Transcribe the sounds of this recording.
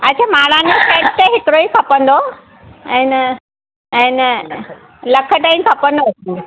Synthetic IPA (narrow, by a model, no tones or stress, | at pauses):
ɐt͡ɕʰamaːɽãːnd͡ʑofeːʈt̪ɐɦɪkɾoikʰɐpə̃nd̪o | ɛ̃ːnɐ | ɛ̃ːn | lɐkʰə̆ʈainkʰɐpə̃nd̪osi